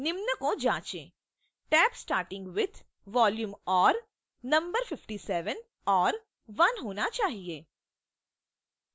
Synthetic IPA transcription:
nɪmnəkõd͡ʒãːt͡ʃḛ̃ː | ʈɛːpsʈaːɾʈɪ̃ŋɡʋɪd̪ʰʱ | ʋɔːljuːmɔːɾ | nɐ̃mbəɾfɪfʈisɛːʋən | ɔːɾ | ʋɐnɦoːnat͡ʃaːɦieː

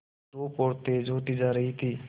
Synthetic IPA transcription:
ʈoːpoːɽt̪ed͡ʒʱoːt̪id͡ʒaːɾəɦit̪ʰiː

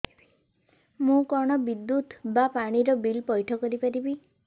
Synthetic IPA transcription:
mũkɔɽ̃ɔbid̪ːut̪bapaɽ̃iɾɔbilpɔjʈʰɔkɔɾipaɾibi

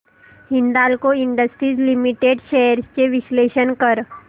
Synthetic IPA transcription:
hind̪aːlkoɪɳɖəsʈɾiːzlimiʈeːɖʃɛəɾst͡ʃeʋɪsleːʃənkəɾ

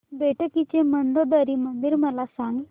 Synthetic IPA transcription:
beʈəkit͡ʃeməɳɖ̪od̪əɾimənd̪iɾməlasãŋɡ

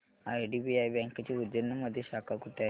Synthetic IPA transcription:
ajɖibiajbɛ̃ŋkat͡ɕiud̪jənːəməd̪ʱːjeɕakakuʈa

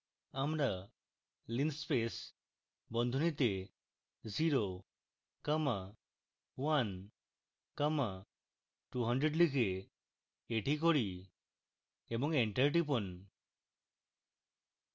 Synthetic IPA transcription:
amɾa | linspes | bɔnd̪ʱunit̪e | ziɾo | kama | wan | kama | ʈuɦəɳɖɾeɖlikʰeː | ʈikɔɽi | ebɔŋeɳʈəɾʈ̬ipɔn

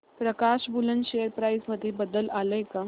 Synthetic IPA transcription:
pɾəkaːʃbulənʃejəɾpɾaːjzməd̪ʱːjebəd̪əlaːləjka

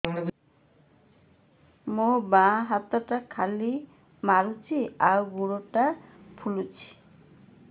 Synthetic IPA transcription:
mobãɦat̪aʈakʰali | maɾut͡ʃʰiawɡuɾoʈapʰulut͡ɕʰi̥

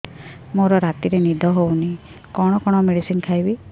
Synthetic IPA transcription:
moɾɔɾat̪iɾenid̪ʱɔɦowni | kɔɽ̃ɔkɔɽ̃ɔmeɽisinkʰajbi

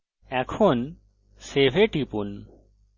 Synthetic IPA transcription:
ɛkʰon | sebʱeʈipun

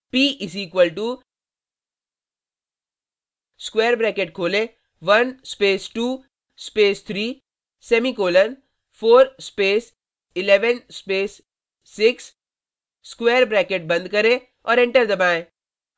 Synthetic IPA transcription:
piːʔɪsiːkwəlʈu | skeːɾbɾɛːkeʈ̚kʰoːlẽ | ʋɐnspeːsʈuː | speːst̪ʰɾiː | sɛːmikoːlən | fʰoːɾspeːs | ɪlɛːʋənspeːsː | ɪksː | kweːɾbɾɛːkeʈ̚bɐ̃nd̪̚kɐɾẽ | ɔːɾɛ̃ɳʈəɾd̪ɐbaːẽː

